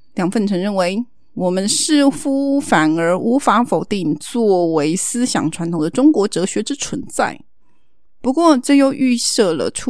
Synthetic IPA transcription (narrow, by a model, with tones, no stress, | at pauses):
ljɑ˨˩ŋfə˥˩nʈ͡ʂʰɤ˧˥ŋɻə˥˩nwe˧˥ɪ | wɔ˨˩mə˦nʂɻ̩˥˩fu˥fa˨˩nə˞˧˥ʔu˧˥fa˧˥fo˨˩ʊt̪i˥˩ŋt͡swɔ˥˩we˧˥ɪsɹ̩˥ɕjɑ̰˨˩ŋʈ͡ʂʰwa˧˥nt̪ʰŋd̪ə˦˥ʈ͡ʂʊ˥ŋkwɔ˧˥ʈ͡ʂɤ˧˥ɕɥɛ˧˥ʈ͡ʂɻ̩˥t͡sʰwə˧˥nt͡sa̰˥˩ɪ | pu˧˥kwɔ˥˧ʈ͡ʂɤ˥˧jo˥˧ʊʔy˥˧sɤ˥˩lə̰˩ʈ͡ʂʰu˥